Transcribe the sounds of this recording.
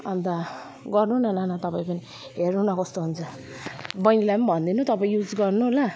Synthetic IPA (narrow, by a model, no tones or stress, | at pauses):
and̪a | ɡʌrnuɦnananat̪ʌpaĩpʌni | ɦernunʌkʌst̪oɦunt͡sʰʌ | bʌjnilapʌnbʱʌnd̪inut̪ʌpaĩjud͡zɡʌrnuɦola